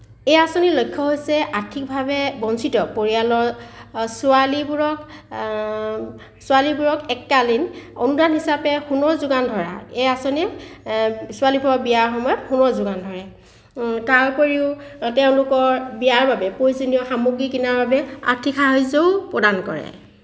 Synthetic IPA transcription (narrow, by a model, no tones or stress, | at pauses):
ejasonilojkʰːɔɦojsɛʔaɹtʰik̚bʱabɛbɔnsitɔpoɹialɔɹsualibuɹɔk | sʊalibuɹɔkɛkːalinonudanɦisapɛxunɔɹzʊɡandʱɔɹa̰ejasoni | sʊalibɹɔbiaɹxɔmɔjɔtxunɔɹzʊɡandʱɔɹɛ | taɹpoɹiʊtɛʊ̃lʊkɔɹbijaɹbabɛpojzinijɔxamuɡɹikinaɹbabɛa̰ɹtʰikxaɦojzoʊpɹɔdankɔ̰ɹɛ̰